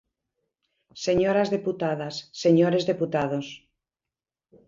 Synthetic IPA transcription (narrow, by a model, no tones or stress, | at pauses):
seɲoɾazðeput̪að̞asːeɲoɾezðeput̪að̞os